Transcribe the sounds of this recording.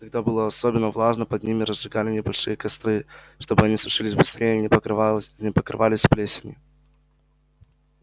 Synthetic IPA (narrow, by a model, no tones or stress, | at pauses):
kɐɡ̚d̪abɨlˠəɐsobʲɪnːəvlˠaʐnəpɐd̪̚nʲimʲɪɾəzʐɨɡalʲɪnʲɪbɐlʲʂɨjəkɐst̪ɾɨ | ʂt̪obɨɐnʲisʊʂɨlʲɪsʲbɨst̪ɾʲejənʲɪpənʲɪpəkɾɨ̰valʲɪsʲplʲesʲɪnʲɪ